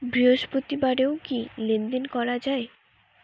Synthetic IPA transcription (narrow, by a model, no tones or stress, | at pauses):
bɾiɦoʃpot̪ibaɖeokilend̪enkɔɾad͡ʑae